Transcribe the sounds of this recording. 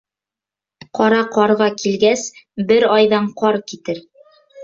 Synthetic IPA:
qɒɾɑqɒɾʁɑkʰilɡæsbɘɾɑjðɑɴqɒɾkit̪ɘɾ

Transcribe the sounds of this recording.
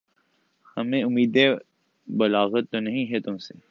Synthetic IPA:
hɐmẽʊmiːd̪e | bɐlaːɣət̪ːonɐɦĩɦɛt̪ʊmse

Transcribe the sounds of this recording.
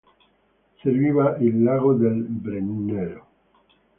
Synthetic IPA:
seɾβiβaʔilːaɣoðelbɾenneɾo

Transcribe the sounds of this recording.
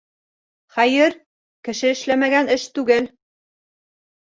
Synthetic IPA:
χæjɘɾ | kɘ̆ʃɘɘ̆ʃlæmæɡænɘʃt̪ʉɡɘl

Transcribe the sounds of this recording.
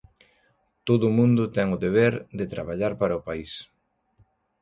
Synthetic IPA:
t̪oðʊmũnd̪ʊt̪ɛŋʊðeβ̞eɾd̪et̪ɾa̰βaʎaɾpaɾɐʊpais

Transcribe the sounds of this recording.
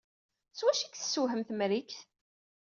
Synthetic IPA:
swæʃikθə̥sːuɦəmθmɾikθ

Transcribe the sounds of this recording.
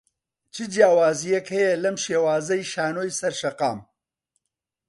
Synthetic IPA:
t͡ʃʰɨd͡ʒjaːwaːzijɛkhɛjɛlɐmʃeːwaːzɐjʃaːnoːjsɐɾʃɐqa̰ːm

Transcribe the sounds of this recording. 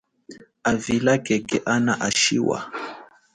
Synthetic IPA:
avilakɛkɛʔanaʔaʃiwa̰

